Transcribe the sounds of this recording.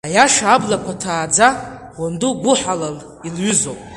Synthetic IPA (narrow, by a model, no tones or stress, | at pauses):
ajaʂaablakʷʰatʰaːd͡zaʁʷonduɡʷʊħalar | ilɥʏzowpʼ